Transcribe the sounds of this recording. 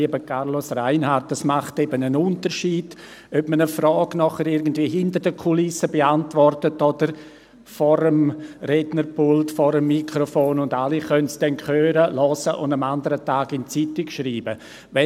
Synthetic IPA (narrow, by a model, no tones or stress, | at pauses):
iəbəkʰaɾlosraɪnhaɾt̚ːasmaχtɛbənənʊntəɾʃiːd̥ | œpmənəfrɔːɡnɔχəɾɪɾɡən̩dv̥iːəɦɪntəɾdəkʰulɪsəbeantvɔrtətod̥əɾ | fɔɾəmrɛdnəɾpʰʊltfɔɾəmːikʁofoːnʊndaliχœntsd̥ɛnkʰøːɾəlɔsəʔʊ̰ndamandəɾətaːɡɪnt͡sitɪkʃriːbə | vɛ